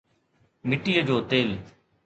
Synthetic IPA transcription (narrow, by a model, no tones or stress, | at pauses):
mɪʈiːəd͡ʑoːt̪eːl